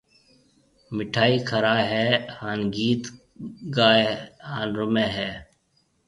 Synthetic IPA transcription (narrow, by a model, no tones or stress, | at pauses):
mɪʈʰaːiːkʰəɾaːɦɛːhaːnɡiːt̪ | ɡaːehaːnɾʊmeːɦɛː